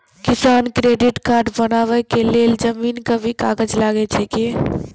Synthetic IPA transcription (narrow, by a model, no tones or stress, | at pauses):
kisankɾeɖiʈkaɾɖbənabɛkeleld͡ʒəminkəbʱikaɡəd͡ʒlaɡɛt͡ʃʰɛki